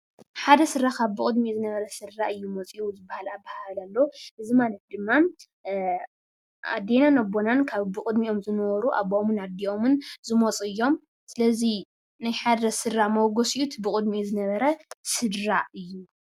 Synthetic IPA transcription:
ħad̪ɐsɨrakaβbɨkʼɨd̪mizɨnɐβɐɾɐsɨɾːaʔɨjːumot͡sʼiʔuzɨbːahalabahalalːoʔɨzimalɐt̪̚d̪ɨmːa | ʔa̰d̪ːenanɐbonankʰaβbɨkʼɨd̪miʔo̞mzɨnɐwɔɾuʔa̰βomɨnad̪iomɨnzɨmot͡sʼɨjːo̞m | sɨlɐzi | najħad̪ɐsɨɾːamowɡosiʔut̪bɨkʼɨd̪mizɨnɐβɐɾɐsɨdɾaɨjːu

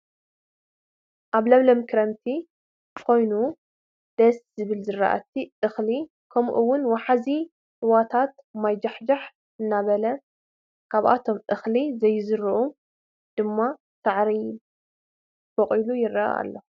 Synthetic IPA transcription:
ʔaβlɐβlɐmkʰɨɾɐmt̪ʰi | kʰo̞jnu | d̪̥ɐszɨβɨlzɨra̰ʔa̰t̪ʰiʔɨxli | kʰɐmʔuwːʊnwaħazi | ʔɨwat̪ʰat̪̚majd͡ʒaħd͡ʒaħ | ʔɨnːaβɐlɐ | kʰaβʔa̰t̪ʰo̞mʔɨxlizɐjːzɨɾɨʔu | d̪̥ɨmːa | t̪ʰaʕɾi | fɐqʼilujɪrːɐ̰a̰lːo

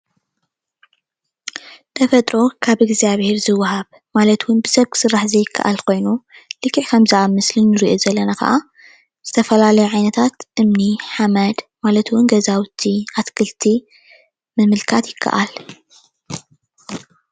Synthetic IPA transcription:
t̪ʰɐfɐt̪ʼɾo̞kʰaβɨɡzaβhe̞ɾzɨwːaɦaβ | malɐt̪wʊnbɨsɐβkʰɨ̥sɨrːaħzejɪkʰːɐ̰ʔa̰lkʰo̞jnulɨkːɨʕkʰɐmzɐʔamɨslɨnːɨɾiʔozɐlːɐnakɐ̰ʔa | z̥ɨt̪ʰɐfɐlalɐjuʕajnɐt̪ʰat̪ʔɨmniħamɐd̪malɐt̪wʊnɡɐzawt̪ʰiʔat̪kʰɨlt̪ʰi | mɨmɨlkʰat̪jɪkʰːɐ̰ʔa̰l

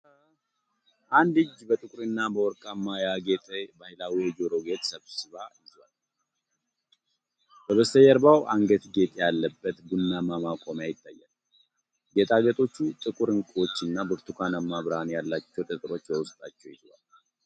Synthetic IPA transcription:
ʔand̪ɨd͡ʒbət̪ʼɨkʼʊɾɨnːabəwɔɾkʼamːajaɡet̪ʼebahilawiɛd͡ʒo̞ɾo̞ɡe̞t̪ʼsəβsɨβajɪzwal | b̥əβəsəjɛɾbawʔaŋɡət̪ɡe̞t̪ʼejalːəbːət̪ɡunːamamakʼo̞mjajɪt̪ʼːajːa̰l | ɡet̪ʼaɡət̪ʼo̞t͡ʃːut̪ʼɨkʼuɾɨŋkʼo̞t͡ʃːɨnːabɨɾt̪ʰukʰanəmːaβɨɾanjalːat͡ʃːɛwt̪ʼɨt̪ʼɨɾo̞t͡ʃːbəwʊst̪ʼat͡ʃːɛwjɪza̰l

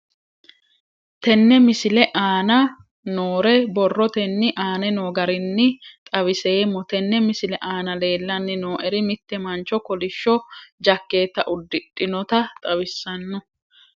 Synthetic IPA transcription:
t̪ɛnːɛmɪsɪlɛʔaːnɐ | noːɾɛbɔrːɔt̪ɛnːɪʔaːnɛnoːɡɐɾɪnːɪt̪ʼɐβɪseːmːɔt̪ɛnːɛmɪsɪlɛʔaːnɐle̞ːlːɐnːɪnoːʔɛɾɪmɪt̪ːɛmɐnt͡ʃɔkɔlɪʃːɔd͡ʒɐkːe̞ːt̪ːɐʔʊd̪ːɪᶑʼɪnɔt̪ɐt̪ʼɐwɪsːɐnːɔ

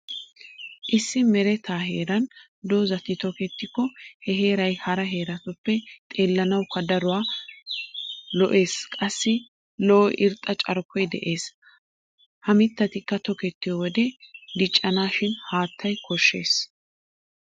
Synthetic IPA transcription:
ʔɪsːɪmɛɾɛt̪aːɦe̞ːɾɐn | d̪oːzɐt̪ɪt̪ɔkɛt̪ːɪkːɔhɛɦe̞ːɾɐjhɐɾɐɦe̞ːɾɐt̪ɔpːɛt̪ʼe̞ːlːɐnɐwkːɐd̪ɐɾʊwaː | lɔʔe̞ːskʼɐsːɪ | lɔːʔɪɾt̪ʼɐt͡ʃʼɐɾkʰɔjd̪ɛ̰ʔe̞ːs | hɐmɪt̪ːɐt̪ɪkːɐt̪ɔkɛt̪ːɪjɔwɔd̪ɛd̪ɪt͡ʃʼːɐnaːʃɪnhaːt̪ʰːɐjkʰɔʃːe̞ːs

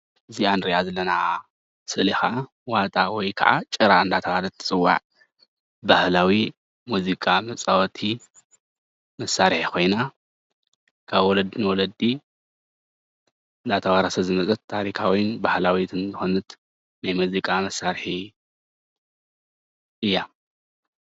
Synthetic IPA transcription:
ɨzianɾijazɐlːɐna | sɨʔlixaʔa | wat̪ʼawɔjkʰɐ̰ʔa̰t͡ʃʼɨɾaɨnd̪at̪ʰɐwalɐt̪ʰːɨ̥t͡sʼɨwːa̰ʕ | bahlawi | muzikʼamɐt͡sʼawɔt̪ʰi | mɐsːaɾħikʰo̞jna | kʰaβwɔlɐd̪inwɔlɐd̪ːi | ɨnd̪at̪ʰɐwaɾɐsɐzɨmɐt͡sʼɐt̪ʰːaɾikʰawinbahlawit̪ʰɨnzɨxonɨt̪ | najmuzikʼamɐsːaɾħi | ʔɨjːa

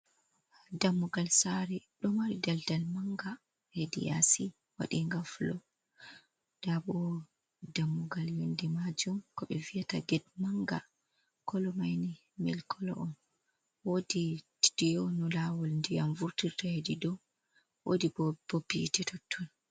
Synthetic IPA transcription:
damːuɡalsaɾiɗɔmaɾidaldalmaŋɡa | hedḭja̰si | wa̰ɗiŋɡaflɔ | d̥abɔ | damːuɡaljindimad͡ʒumkɔɓɛvijataɡɛd̚maŋɡa | kɔlɔmajni | mḭlkʰɔlɔ̰ʔɔn | woditi̥dijɔnɔlawɔlndijamvuɾtiɾtahedidɔ | wo̰dibb̥obitɛtɔtʰːɔn

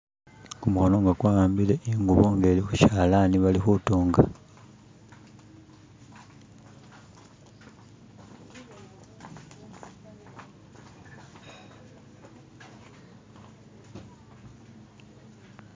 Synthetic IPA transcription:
kumuxono̞ŋɡakwaːaːmbileʔiŋɡuβoŋɡe̞ːlixuʃaːlaniβalixutuːŋɡa

